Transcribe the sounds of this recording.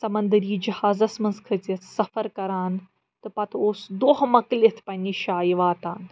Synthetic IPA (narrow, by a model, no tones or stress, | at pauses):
sɐmɐnd̪əɾiːd͡ʒɐhaːzɐsmɐnzkʰɨt͡sɐt̪ʰsɐfɐɾkɐɾaːn | t̪ɨpɐt̪ʰoːsd̪oːɦmɐklit̪ʰpɐnʲiːʃaːjiʋaːt̪aːn